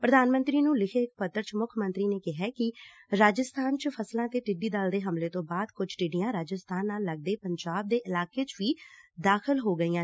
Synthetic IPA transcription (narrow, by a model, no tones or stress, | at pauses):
pɾəd̪aːnmənt̪ɾiːnũːlɪkʰeːɪk̚pət̪ːəɾt͡ʃmʊkʰmənt̪ɾiːneːkɪɦɛːkɪɾaːd͡ʒəst̪ʰaːnt͡ʃəpʰəslãːt̪eːʈɪɖiːd̪aːld̪eːɦəmleːt̪õːbaːd̪kʊd͡ʒʈɪɖɪjãːɾaːd͡ʒəst̪ʰaːnːaːlːəɡ̚d̪eːpəɲd͡ʒaːb̚d̪eːʔɪlaːkeːt͡ʃʋiːd̪aːkʰɪlɦoːɡəiːãː